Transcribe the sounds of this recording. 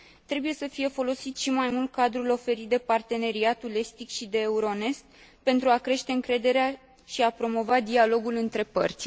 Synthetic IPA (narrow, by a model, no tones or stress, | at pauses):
t̪ɾe̞buje̞səfije̞fo̞lo̞sit̪ʃimajmult̪̚kad̪ɾulo̞fe̞ɾit̪̚d̪e̞part̪e̞ne̞ɾiat̪ule̞st̪ikʃid̪e̞ːuɾo̞ne̞sk̪̚ | pe̞nt̪ɾuakɾe̞ʃt̪e̞ɨŋkɾe̞d̪e̞ɾea | ʃiapɾo̞mo̞vad̪ialo̞ɡulɨnt̪ɾe̞pə̰rt̪sʲ